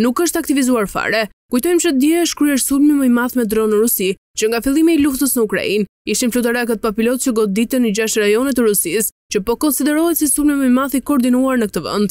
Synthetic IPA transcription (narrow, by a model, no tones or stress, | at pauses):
nukəʃt̪ak̚t̪ivizuaɾfa̰ɾɛ | kujt̪ɔjmʃəd̪jɛəʃkɾyɛɾsulmiməjmaθmɛd̪ɾɔnəɾusi | t͡ɕəŋɡafilˠimiɛluft̪əsnəukɾa̰in | iʃinflut̪aɾak̬ət̪əpapilɔt̪̚t͡ʃəɡɔd̪it̪ənid͡ʑaʃɾajɔnit̪əɾusis | t͡ɕəpɔkɔnsid̪ɛɾɔɦɛt̪sisulmiməmaθikɔːɾd̪inuaɾnəkət̪əvə̰nd̪